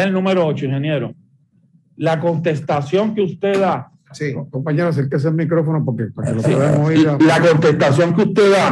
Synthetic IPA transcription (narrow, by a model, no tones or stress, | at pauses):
elnũmeɾoot͡ʃoĩŋhenje̞ɾo̰ | lako̞nt̪e̞st̪asjo̞ŋkeust̪e̞ða | sikompaɲeɾas̬elkes̬elmikɾofonopokepakeloaβeamoβiðalako̞nt̪e̞st̪asjo̞ŋkeust̪e̞ða